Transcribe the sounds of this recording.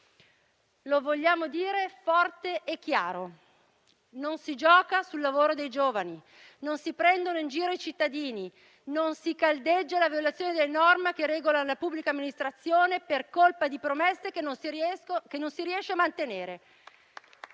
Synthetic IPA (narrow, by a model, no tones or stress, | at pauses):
lovoʎːaːmod̪iːɾefɔrt̪eʔekːjaːɾo | nonsid͡ʒɔːkasulːavoːɾod̪ejd͡ʒoːvani | nonsipɾɛnd̪onoind͡ʒiːɾoit͡ʃit̪ːad̪iːni | nonsikald̪ed͡ʒːalavjolat̪sjoːned̪elːenɔrmekerɛːɡolalapubːlikamːinist̪ɾat̪sːjoːneperkolpad̪ipɾomɛsːekeo | kenonsiɾiɛʃːeamant̪eneːɾe